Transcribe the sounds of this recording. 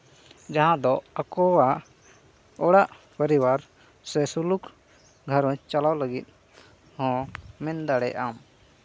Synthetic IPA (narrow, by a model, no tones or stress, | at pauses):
d͡ʒaɦãd̪ɔakɔwa | ɔɽaʔ | pəɾiwaɾ | sɛsuluk | ɡʱəɾɔ̃t͡ʃalawləɡit̪̚ˀ | hɔ̃mɛnd̪aɽɛjʔam